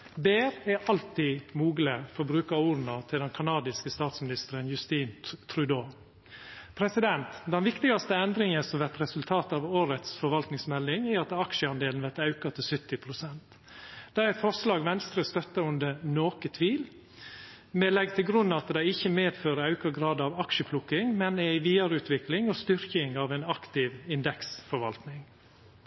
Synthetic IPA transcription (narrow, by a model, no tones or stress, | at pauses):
beːɾæʔɑlt̪iːmuːɡləfɔɾbɾʉːkɑuːɾnɑt̪ʰɪld̪ɛnkʰɑnɑːd̪ɪskəst̪ɑːt̪smɪnɪst̪əɾənjʉst̪iːnt̪ʰɾʉd̪oː | pʰɾɛsɪd̪ɛnt̪d̪ɛnʋɪkt̪ɪɡɑst̪əɛnd̪ɾɪŋəsɔmʋæɾt̪ɾɛsʉlt̪ʰɑːt̪ɑʋoːɾət̪sfɔɾʋɑlt̪nɪŋsmɛlːɪŋæɑt̪ɑkʃəɑnd̪eːlnʋæɾt̪ɑʉkɑt̪ʰɪlsʏt̪ːɪpʰɾʊsɛnt̪ | d̪̥æɾɛt̪fɔɾslɑːɡʋɛnst̪ɾəst̪œt̪ːɑʉnd̪ənoːkət̪ʰʋiːl | mɛlɛɡt̪ʰɪlɡɾʉnːɑt̪d̪ɛɪɪçːəmeːd̪føːɾəɑʉkəɡɾɑːd̪ɑʋɑkʃəpʰlʊkːɪŋmɛnæɪʋiːɑɾəʉːt̪ʰʋɪklɪŋɔst̪ʏɾkɪŋɑʋæɪnɑkt̪ɪʋɪnd̪ɛksfɔɾʋɑ̰lt̪nɪŋ